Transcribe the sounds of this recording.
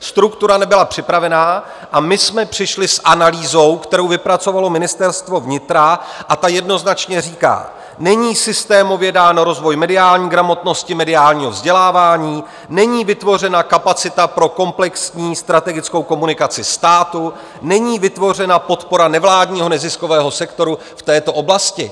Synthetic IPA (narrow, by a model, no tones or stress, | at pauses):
st̪ɾukt̪uɾanɛbɪlapr̝̥ɪpɾavɛnaː | ʔamɪsmɛpr̥ɪʃlɪsʔanaliːzo̞wkt̪ɛɾo̞wvɪpɾat͡so̞valo̞mɪnɪst̪ɛɾst̪vo̞vɲɪt̪ɾaʔat̪ajɛdno̞znat͡ʃɲɛriːka̰ː | nɛɲiːsɪst̪ɛːmo̞vjɛdaːnoɾo̞zvo̞jmɛdɪaːlɲiːɡɾamo̞t̪no̞scɪmɛdɪaːlɲiːɦo̞vzɟɛlaːvaːɲiː | nɛɲiːvɪt̪vo̞r̝ɛnakapat͡sɪt̪apɾo̞ko̞mplɛksɲiːst̪ɾat̪ɛɡɪt͡sko̞wko̞munɪkat͡sɪst̪aːt̪u | nɛɲiːvɪt̪vo̞r̝ɛnapo̞t̪po̞ɾanɛvlaːdɲiːɦo̞nɛzɪsko̞vɛːɦo̞sɛkt̪o̞ɾu | ft̪ɛːt̪o̞ʔo̞blascɪ̰